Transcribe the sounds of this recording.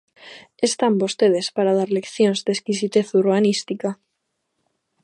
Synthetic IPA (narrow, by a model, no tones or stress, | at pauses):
est̪ambost̪eð̞espaɾað̞aɾlekθjonzd̪eskisit̪eθuruβanist̪ika